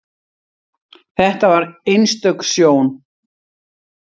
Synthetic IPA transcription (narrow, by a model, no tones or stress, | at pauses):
θɛht̪avaɾejnst̪œksjoːwn